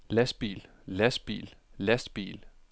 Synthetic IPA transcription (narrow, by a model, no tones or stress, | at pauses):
læsb̥ḭːl | læsb̥ḭːllæsd̥b̥ḭːl